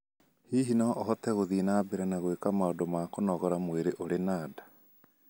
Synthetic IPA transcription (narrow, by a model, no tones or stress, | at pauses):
hiːɦinaʔɔɦɔtɛɣoðiːnabeɾanaɣowekamaondomaːkonɔɣɔɾamweɾeʔoɾenaːdḁ